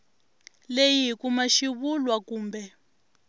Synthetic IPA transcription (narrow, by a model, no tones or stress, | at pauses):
lejiɦikumaʃiβulwakuːmbɛ